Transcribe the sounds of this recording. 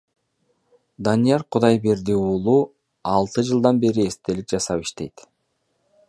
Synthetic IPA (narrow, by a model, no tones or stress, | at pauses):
d̪ɑnijɑɾqʰud̪ɑjbeɾd̪iuːlˠu | ɑlˠt̪ɯd͡ʒɯlˠd̪ɑnbe̞ɾie̞st̪e̞likd͡ʒɑsɑpiʃt̪e̞jt̪